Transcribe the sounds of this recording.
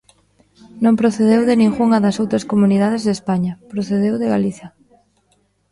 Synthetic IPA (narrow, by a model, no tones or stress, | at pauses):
nõŋpɾoθeðewðɪnĩŋɣuŋɐðɐsowt̪ɾɐskomuniðað̞ezðespaɲɐpɾoθeðewðɪɣaliθjɐ